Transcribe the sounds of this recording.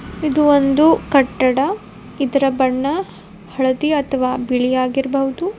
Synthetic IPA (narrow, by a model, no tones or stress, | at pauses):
id̪uond̪ukɐʈːɐɽɐ | id̪ɐɾɐbɐɳːɐ | hɐɭɐd̪iɐt̪ʰɐʋaːbiɭijaːɡiɾɐbɐɦud̪u